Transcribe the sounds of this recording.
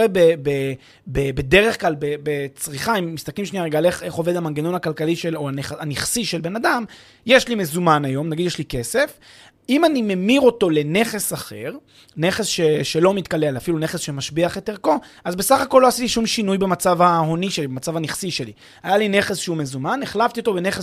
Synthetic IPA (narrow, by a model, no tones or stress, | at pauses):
ebebe | bebe̞de̞ʁeχklalbebet͡sʁiχaimːist̪aklimʃniaʁeɡaleχe̞χo̞ve̞d̪amaŋɡeno̞nakalkaliʃeloaneχaniχsiʃelbe̞nad̪am | jeʃlimezumanajo̞mnaɡid̪jeʃlike̞se̞f | imanime̞miʁo̞to̞le̞ne̞χe̞saχeʁ | ne̞χesʃe̞ʃe̞lo̞mit̪kale̞lafilune̞χesʃe̞maʃbiaχet̪eʁko̞azbe̞saχako̞lːo̞hasit̪iʃumʃinujbemat͡savhaho̞niʃelibemat͡savaniχsiʃe̞lḭ | ajaline̞χe̞sʃeumezumaneχlavt̪io̞t̪o̞bene̞χes